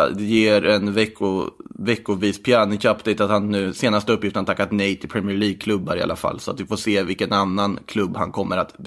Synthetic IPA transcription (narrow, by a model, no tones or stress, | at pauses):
ɛjeːɾɛnvɛkːʊvɛkːʊviːspʰɪanɪkapːd̪ɛjt̪at̪hanːʉ̟ːseːnast̪əɵpːjɪft̪ənt̪akːat̪nɛjt̪ʰɪlpʰɾɛmɪɛɭiːɡ̚kʰlɵbːaɾɪa̰lafa̰lːsɔat̪vɪfoːʂeːvɪlkənanːankʰlɵbːha̰nkʰɔmːəɾat̪